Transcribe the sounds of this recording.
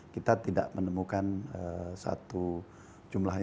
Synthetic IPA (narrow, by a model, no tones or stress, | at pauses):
kit̪at̪ida̰ʔmənəmukanəsa̰t̪u | d͡ʒumlaɦ